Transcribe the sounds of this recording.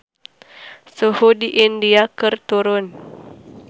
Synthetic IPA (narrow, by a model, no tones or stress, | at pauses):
suhudiʔindiakərt̪uɾʊn